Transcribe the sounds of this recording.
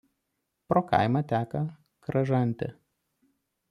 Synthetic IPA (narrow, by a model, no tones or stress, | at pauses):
pɾoːkɐ̰ɪmɐt̪ʲæːkɐ | kɾɐʒɐnʲˑt̪ʲɪ̰